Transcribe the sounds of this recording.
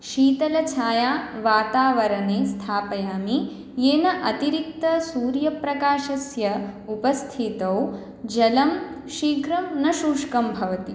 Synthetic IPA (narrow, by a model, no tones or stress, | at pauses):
ʃiːt̪ɐlɐt͡ʃʰaːjaːʋaːt̪aːʋɐɾɐneːst̪ʰaːpɐjaːmi | jeːnɐʔɐt̪iɾik̚t̪ɐsuːɾjɐpɾɐkaːʃɐsjɐupɐst̪ʰit̪ɐw | d͡ʒɐlɐm | ʃiːɡʱɾɐmnɐʃuːʂkɐmbʱɐʋɐt̪i